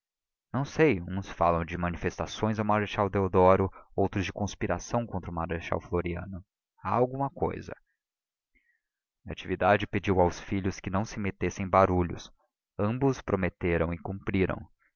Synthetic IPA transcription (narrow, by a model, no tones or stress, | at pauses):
nɐ̃w̃sejũsfalɐ̃w̃d͡ʒɪmɐnifest̪asõj̃zawmaɾeʃawd̪eod̪ɔɾʊowt̪ɾʊzd͡ʒɪkõspiɾasɐ̃w̃kõnt̪ɾʊmaɾeʃa̰wfloɾiɐ̰̃nʊ | aawɡũmɐko̰jzɐ̰ | aat͡ʃivid̪ad͡ʒɪped͡ʒiwawsfiʎʊskɪnɐ̃w̃sɪmet̪esẽj̃baɾuʎʊ̰s | ɐ̃mbʊspɾomet̪eɾɐ̃w̃ɪkũmpɾiɾɐ̰̃w̃